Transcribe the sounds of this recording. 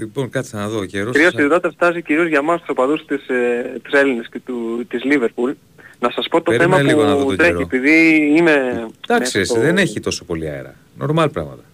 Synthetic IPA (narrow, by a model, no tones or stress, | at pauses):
lipo̞nkɐt̪i̥sɐnɐðo̞ceɾoskɾiosiðiðot̪eft̪ɐziciɾio̞zʝɐmɐst̪u̥sopɐðust̪ist̪i̥se̞linescet̪ut̪izliveɾpul | nɐsɐspo̞t̪oθe̞mɐliɣonɐðoɾeiepiðiimed̪̥ɐkssisðeneçit̪o̞sopo̞liɐ̰ḛɾɐ̰ | no̞̰ɾmɐlpɾɐ̰ɣmɐt̪ɐ̥